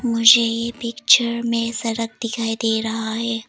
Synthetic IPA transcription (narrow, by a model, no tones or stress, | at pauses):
mʊd͡ʒʱejepɪkt͡ʃəɾmẽsɐɾək̚d̪ɪkʰaːid̪eːɾɐɦaɦɛː